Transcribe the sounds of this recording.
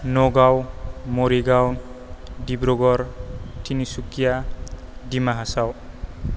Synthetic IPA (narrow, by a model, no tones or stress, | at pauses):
nɔɡawmɔɾiɡawndibɾɔɡɔɾtʰinisukija | dimaɦasaw